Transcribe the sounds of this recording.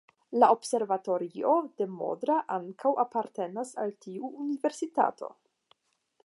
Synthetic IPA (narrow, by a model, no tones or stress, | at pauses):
laobse̞ɾvato̞ɾio̞de̞mo̞̰dɾaʔaŋkʰawʔapaɾte̞nasa̰ltʰiuːnive̞ɾsita̰tʰo̞̰